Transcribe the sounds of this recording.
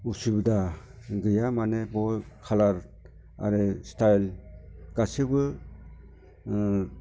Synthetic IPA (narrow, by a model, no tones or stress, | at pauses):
usubda | ɡɯjamanebɔkʰalaɾ | a̰ɾestʰajlɡ̥asɯbɯ